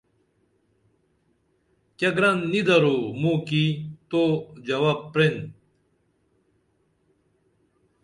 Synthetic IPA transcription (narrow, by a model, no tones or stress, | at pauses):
kɐɡɾɐnːid̪ɐɾomũkit̪od͡ʑɐwaːb̚pɾen